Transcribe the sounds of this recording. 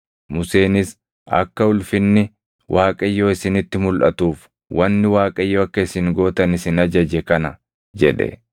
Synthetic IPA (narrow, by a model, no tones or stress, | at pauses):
mʊse̞ːnɪs | ɐ̰kːɐʊlfɪnːɪ | wʔaːkʼɐjːo̞ːɪsɪnɪt̪ːɪmʊlʔɐ̰t̪uːf | wʔɐnːɪwaːkʼɐɪjːoːɐkːɐɪsɪŋɡo̞ːt̪ɐnɪsɪnɐd͡ʒɐd͡ʒɛkɐnɐ | d͡ʒɛ̰ᶑɛ̰